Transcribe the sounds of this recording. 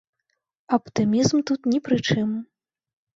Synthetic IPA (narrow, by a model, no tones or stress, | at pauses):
ɐpt̪ɨmʲizmt̪ut̪nʲipɾɨt͡ʂɨm